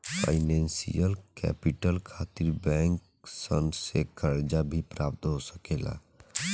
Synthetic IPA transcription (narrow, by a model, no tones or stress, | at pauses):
pʰa̰ɪnɛ̃ːnsḭjəlkɛ̰ːpiʈəlkʰaːt̪iɾbɛ̃ːŋk | sə̰nsekəɾd͡ʒabʱipɾaːp̚t̪ɦosəkeːla̰